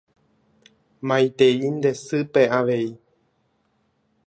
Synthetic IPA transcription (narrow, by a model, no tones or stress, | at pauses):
mãjt̪e̞ind̪e̞sɨpeaʋe̞i